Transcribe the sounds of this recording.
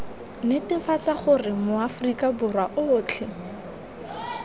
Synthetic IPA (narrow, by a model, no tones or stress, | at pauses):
nɪtɪfat͡saχʊrɪmʊafrikabʊrwaʔʊːt͡ɬʰɪ